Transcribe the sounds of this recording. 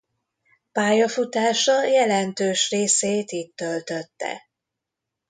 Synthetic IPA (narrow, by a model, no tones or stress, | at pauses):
paːjɒfut̪aːʃɒjɛlɛnt̪øːʃreːseːt̪iːtt̪ːølt̪ø̞t̪ːɛ̰